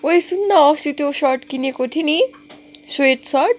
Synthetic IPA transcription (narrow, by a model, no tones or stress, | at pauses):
wojsunːʌɔsit̪joʃʌʈkinekot̪ʰini | sweʈsʌʈ̚